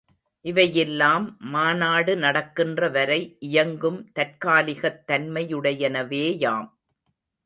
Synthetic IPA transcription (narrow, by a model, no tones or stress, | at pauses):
ʔɪʋɐjɛlːaːmːaːnaːɽɯnɐɽɐkːɪndrɐʋɐɾɐɪʔɪjɐŋɡɯmt̪ɐɾkaːlɪɣɐt̪ːɐnmɐjɯɽɐjɛnɐʋeːjaːm